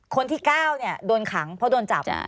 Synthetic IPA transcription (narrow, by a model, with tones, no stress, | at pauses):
kʰo˧nt̪ʰiː˥˩kaː˥˩wni˥˩ɐdoː˧nkʰa˩˦ŋpʰɔ˦˥doː˧nt͡ɕa̰˨˩p